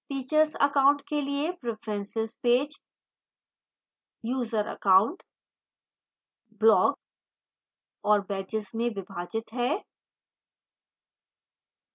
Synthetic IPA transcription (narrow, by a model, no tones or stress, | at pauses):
fiːt͡ʃəɾsɐ̰kaːʊ̃ɳʈkeliepɾɪfʰɾɛ̃nsɪspeːd͡ʒ | juːzəɾɐ̰kaːʊ̃ɳʈ | blɔːɡ | ɔːɾbɛːd͡ʒɪsmẽʋɪbʱaːd͡ʒɪt̪ɦɛː